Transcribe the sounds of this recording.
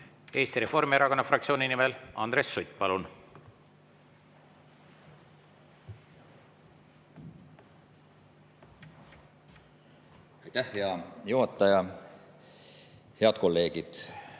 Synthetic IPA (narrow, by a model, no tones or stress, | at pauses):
e̞ːst̪iɾe̞fo̞rmieɾɑko̞nːɑfrɑkt̪sio̞ːninimelʔɑ̰nd̪ɾe̞sːujt̪̚ːˑpɑlun | ɑjt̪æhheɑjuɦɑt̪ːˑɑjɑ | heɑt̪ko̞lːe̞ːɡid̪̥